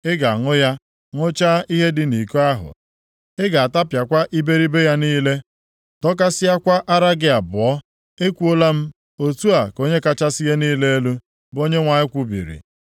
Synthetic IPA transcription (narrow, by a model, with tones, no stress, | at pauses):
ɪ˦ɡa˨ŋʊ˦ja˦ | ŋʊ˦t͡ʃa˦i˦ɦe˦dɪ˨ni˨ko˦a˦ɦʊ̰˨ | ɪ˦ɡa˨a˨ta˦pja˨kʷa˦ʔi˦be˦ɾi˦be˦ja˦niː˦le˦ | tɔ˦k̬a˦sɪ˦ja˦kʷa˦ʔa˦ɾa˦ɡɪ˦a˨bʊ˨ɔ˦ | e˦kʷu˦o˦la˦m̩˦ | o˦tu˦a˨ko˦ɲe˦ka˦t͡ʃa˦sɪ˦je˦niː˦le˦e˦lu˦ | bo˦ɲe˦ŋʷa˨ɲɪ˦kʷu˦bḭ˨ɾḭ˨